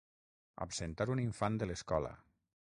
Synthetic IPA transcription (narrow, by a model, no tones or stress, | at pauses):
a̰psent̪aɾuniɱfand̪ələskɔlə̰